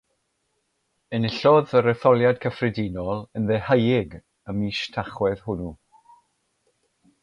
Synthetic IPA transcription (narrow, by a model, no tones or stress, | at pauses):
ənɪɬɔðəɾɛθɔlˠjad̥kʰəfrɪdinɔlˠənðɛhəjɪɡ | əmiʃtʰaχwɛð̥hʊnu